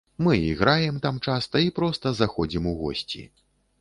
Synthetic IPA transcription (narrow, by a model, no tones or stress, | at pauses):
mɨiɣɾajɛmt̪amt͡ʂast̪ɐipɾɔst̪ɐzaxɔd͡zʲimuɣɔ̰sʲt͡sʲḭ